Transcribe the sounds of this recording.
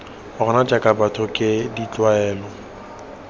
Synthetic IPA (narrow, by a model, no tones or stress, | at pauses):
ʊɣʊnad͡ʒakʼabatʰɔkʼɪdit͡ɬwaɛːlɔ